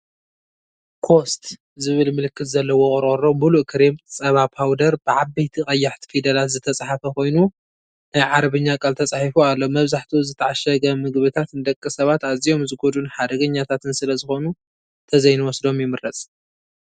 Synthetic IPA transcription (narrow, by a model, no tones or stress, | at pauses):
kʰo̞st̪ | zɨβɨlmɨlɨkːɨt̪zɐlːɐwoχʼɾʼɐɾommuluʔkʰɨɾemt͡sʼɐβabawd̪ɐɾbɨʕabɐjt̪ʰixʼɐjːaħt̪ʰi̥fid̪ɐlat̪zɨt̪ʰɐt͡sʼaħafɐko̞jnu | najʕaɾβɨɲːakʼalt̪ʰɐt͡sʼaħifualːomɐβzaħt̪ʰizɨt̪ʰɐʕaʃɐɡɐmɨɡβɨt̪ʰat̪nɨd̪ɐkʼːɨsɐβat̪azijo̞mzɨɡo̞d̪unħad̪ɐɡɐɲːat̪ʰat̪ɨnsɨlɐzɨxo̞nu | t̪ʰɐzɐjnɨwɔsd̪o̞mjɛmɨɾɾɐt͡sʼ